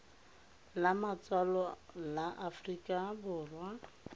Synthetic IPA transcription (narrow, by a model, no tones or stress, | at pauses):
lamat͡sʼwalɔlaʔafrikʼabʊːrwa